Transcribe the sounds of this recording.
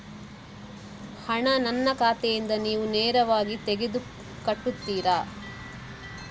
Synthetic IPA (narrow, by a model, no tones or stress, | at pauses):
hɐɳɐnɐnːɐkaːt̪ɛjind̪ɐniːʋuneːɾɐʋaːɡit̪eɡed̪u | kɐʈːut̪ːiːɾaː